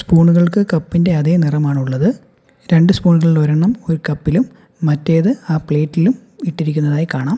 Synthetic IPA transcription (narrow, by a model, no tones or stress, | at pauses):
spuːɳuɣɐɭkɨkɐpːinde̞ɐðenirɐmaːɳuɭːɐðɨ | ɾe̞ɳɖɨspuːɳuɣɐɭiɭoɾɐɳːɐmo̞ɾukɐpːilumː | ɐtːeːðɨaːpɭeːtːilum | iʈːiɾik̬ʲːunːɐðaːjikaːɳaːm